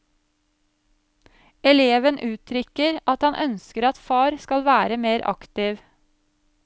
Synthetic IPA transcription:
ɛleːʋənʔʉːt̪ʰɾʏkəɾʔɑt̪hɑnʔœ̰nskəɾɑt̪fɑːɾskɑlʋæːɾəmeːɾʔɑ̰kt̪ɪʋ

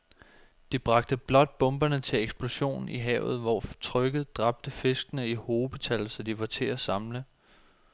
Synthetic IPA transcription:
d̥ib̥ʁɑ̈ɡ̥̚d̥əb̥lɒ̽d̥̚b̥ɔ̽mb̥ɐnət͡sʰe̝leɡ̥sb̥lo̝ɕo̝̰ːniɦɛ̰ʊð̞̩ˠʋɒt͡sʰʁœɡ̥ð̞̩ˠd̥ʁɑ̈b̥̚d̥əfe̝sɡ̥ənəiho̝ːb̥ət͡sʰælsɒ̽d̥iʋɑ̈t͡sʰe̝æsɑ̈mlə

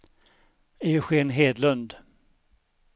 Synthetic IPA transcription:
eːɧeːnɦeːd̪lɵnd̪

